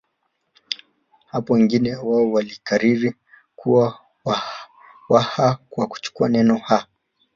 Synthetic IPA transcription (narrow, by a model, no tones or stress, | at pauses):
hapɔwɛŋɡinɛwaɔwalikaɾiɾi | kuwa | wa | wahakwaku̥t͡ʃu̥kuanɛnɔha